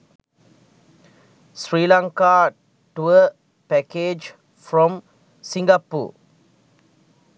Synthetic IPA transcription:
sɹiːlãŋka | ʈuə | pɛked͡ʒ | fɾɔ̃m | sĩŋɡapṵ

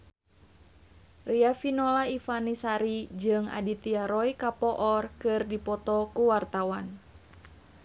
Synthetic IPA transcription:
riafinɔlaifanisaɾid͡ʒɨŋa̰dit̪iaɾɔikapɔʔɔrkɨrdipɔt̪ɔkuwart̪awan

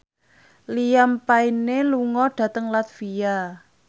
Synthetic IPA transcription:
lijampaineluŋɔɖ̥ä̤t̪əŋlat̪fija

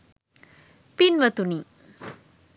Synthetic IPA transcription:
pinʋɐt̪uni

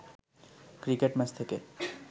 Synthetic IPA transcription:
kɾikeʈmɛt͡ɕt̪ʰeke

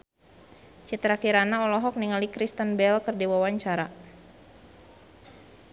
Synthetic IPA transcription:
t͡ʃit̪ɾakiɾanaɔlɔɦɔk̚niŋalikɾist̪ənbɛlkərdiwawaɲt͡ʃaɾa

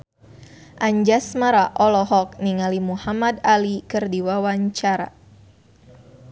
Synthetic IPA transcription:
ʔaɲd͡ʒasmaɾaʔɔlɔɦɔk̚niŋalimuhamadalikɨrdiwawaɲt͡ʃaɾa̰

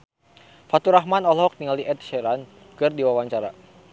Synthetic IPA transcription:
fat̪uɾaɦmanɔlɦɔk̚niŋaliʔɛt̪̚ʃɛɾan | kɨrdiwawaɲt͡ʃaɾa̰

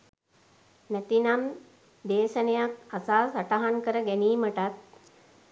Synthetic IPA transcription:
næt̪inam | d̪eːʃənejakasaːsaʈaɦaŋkəɾəɡæniːməʈat̪̚

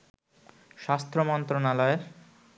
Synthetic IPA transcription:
ʃast̪ʰɾomɔnt̪ɾonalɔeɾ

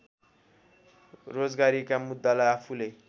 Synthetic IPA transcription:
rod͡zɡaɾikamud̪ːalaapʰule

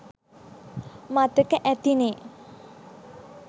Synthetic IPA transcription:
mat̪əkəʔɛt̪ine

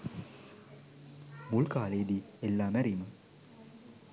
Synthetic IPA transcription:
mulkaːleːd̪ielːaːmæɾimə

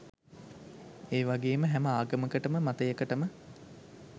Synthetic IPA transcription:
eːʋaɡeːməɦæməaːɡəməkəʈəməmat̪əjəkəʈəmə

